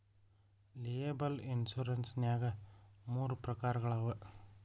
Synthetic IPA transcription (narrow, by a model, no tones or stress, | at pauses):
leːbɐlinsuɾɐnsnjaːɡɐmuːɾupɾɐkaːɾɐɡɐɭaːʋɐ